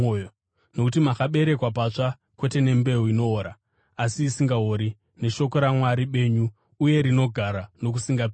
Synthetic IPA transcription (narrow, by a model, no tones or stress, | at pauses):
ojo | no̞kutimakaɓe̞ɾe̞kwap̬at͡ʂa | kwe̞te̞ne̞mbe̞ɦuino̞ːɾa | asiːsiŋɡaɦoɾi | ne̞ʃo̞ko̞ɾamwaɾiɓe̞ːɲuː | je̞ɾino̞ɡʱaɾano̞k̬usiŋɡap